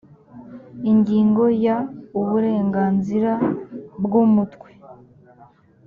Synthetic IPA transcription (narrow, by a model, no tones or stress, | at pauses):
iɲɟiːŋɡo̞jauβuɾe̞ːŋɡaːnziɾabɡumutkwe̥